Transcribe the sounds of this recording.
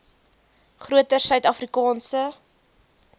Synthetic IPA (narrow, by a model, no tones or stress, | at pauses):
χruətərsœɥtɐfrikɑːnsə